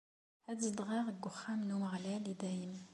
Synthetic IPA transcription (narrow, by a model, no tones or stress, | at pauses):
hæd̪zd̪ˤʁɑʁəɡʊχːæmnuməʁlælid̪æjəm